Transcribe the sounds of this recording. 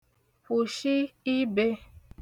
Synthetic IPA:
pu˨ʃi˦i˦be˦

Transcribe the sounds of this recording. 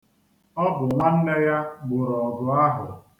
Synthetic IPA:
ɔ˦bʊ˨mʷa˦n̩˦ne˦ja˦ɡ͡bʊ˨ɾɔ˨bʊ˨a˦ɦʊ˨

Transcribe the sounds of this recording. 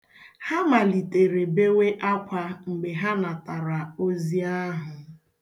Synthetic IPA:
ha˦ma˨li˨te˨ɾe˨be˦we˦ʔa˦kʷa˨ŋ͡m̩˨ɡ͡be˨ɦa˦na˨ta˨ɾa˨o˦zi˦a˦ɦʊ˨

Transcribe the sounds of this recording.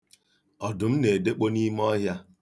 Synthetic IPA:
ɔ˨dʊ˨m̩˦ne˨de˦k͡po˦ni˦m˦ɔ˦ɦja˦

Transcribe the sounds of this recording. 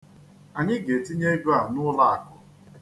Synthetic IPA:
a˨ɲɪ˦ɡe˨ti˦ɲe˦ɡu˦a˨nʊ˦la˦a˨kʊ˨

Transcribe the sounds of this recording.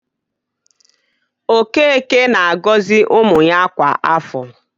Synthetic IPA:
o˨ke˦e˦˨ke˦na˨a˨ɡɔ˦zɪ˦ʔʊ˦mʊ˨ɲa˦kʷa˨ʔa˦fɔ˨

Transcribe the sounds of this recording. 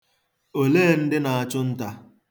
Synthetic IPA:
o˨leː˦˨n̩˦dɪ˦na˨a˨t͡ʃʊ˦n̩˦ta˦

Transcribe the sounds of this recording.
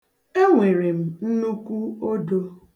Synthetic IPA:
e˦ŋʷe˨ɾe˨m̩˨n̩˦nu˦kʷu˦o˦do˦

